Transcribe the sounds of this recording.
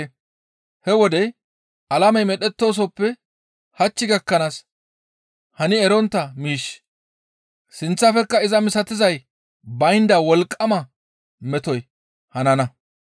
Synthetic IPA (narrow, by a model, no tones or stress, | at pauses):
hɛwɔd̪ɛj | ɐlɐmɛjmɛɗɛt̪ːo̞ːs̬ɔpːɛ | hɐt͡ʃːɪɡɐkːɐnaːs | hɐnɪɛɾɔnt̪ːɐmiːʃ | sɪnt͡sːɐfɛkːɐɪzɐmɪsɐt̪ɪzɐj | bɐjnd̪ɐwɔlkʼːɐmɐ | mɛt̪ɔj | hɐnɐnɐ